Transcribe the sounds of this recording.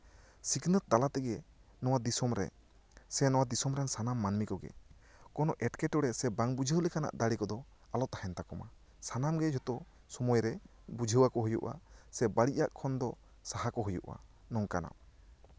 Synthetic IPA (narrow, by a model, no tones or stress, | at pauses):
siknət̪̚ːalat̪ɛɡɛ | nɔwad̪isɔmɾɛ̰ | sɛnɔwad̪isɔmɾɛnsanamːanmikɔɡɛ̰kɔnɔʔɛʈkɛʈɔɽɛsɛbaŋbud͡ʒʱəwlɛkana̰ʔd̪aɽikɔd̪ɔ | alɔt̪ahɛnt̪akɔma̰ | sanamɡɛd͡ʒɔt̪ɔ | sɔmɔjɾɛ | bud͡ʒʱəwakɔɦujuʔa̰sɛbaɽiʔaʔkʰɔnd̪ɔ | sahakɔɦujṵʔa̰ | nɔŋkana̰m